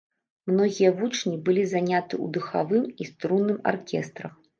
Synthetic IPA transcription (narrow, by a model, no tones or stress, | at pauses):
mnɔɣʲijɐvut͡ʂnʲibɨlʲizanʲat̪ɨw̰d̪ɨxa̰vɨmist̪ɾunːɨma̰rkʲɛst̪ɾɐx